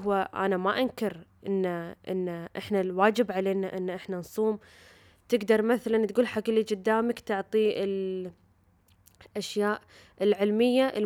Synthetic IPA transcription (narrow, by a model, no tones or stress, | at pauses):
aʔa̰namaʔankɪɾʔɪnːaʔɪ̰nːʔɪħnalwaːd͡ʒɪbʕaleːnaʔɪnːʔɪħnansˤuːm | t̪ɪɡd̪ɑɾˤmaθalant̪ɡuːlħaklid͡ʒɪd̪ːaːmakt̪ʊʕt̪ˤiɪl | ʔaʃjaːʔ | ɪlʕɪlmɪjːaʔɪ